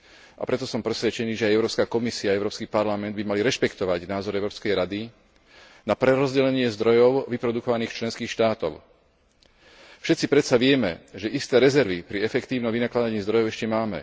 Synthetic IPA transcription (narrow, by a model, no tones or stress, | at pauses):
ʔa̰pɾɛt̪ɔsɔmpɾɛsʋɛt͡ʃɛniːʒɛajɛʊɾɔːpskaːkɔmisiaːɛʊɾɔːpskiːpaɾlamɛnd̪bimaliɾɛʃpɛkt̪ɔʋaɟnaːzɔɾɛʊɾɔːpskɛjɾad̪i | napɾɛɾɔzɟɛlɛɲɪɛzd̪ɾɔjɔʊʋipɾɔd̪ukɔʋaniːxt͡ʃlɛnskiːxʃt̪aːt̪ɔ̰ʊ | fʃɛt̪t͡sipɾɛt̪saʋɪɛmɛ̰ʒɛʔist̪ɛːɾɛzɛɾʋipɾiɛfɛkt̪iːʊnɔmʋinaklad̪aɲiːzd̪ɾɔjɔʊɛʃcɛmaːmɛ̰